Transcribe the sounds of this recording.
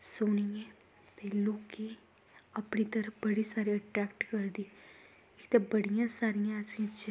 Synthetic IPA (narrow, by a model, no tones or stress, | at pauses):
soːnie | pɛːluːki | ɐpnit̪əɾəfbəɽisaːɾiəʈɾɛːkʈkəɾd̪i | ɪkt̪abəɽijãsaːɾijãsãt͡ʃ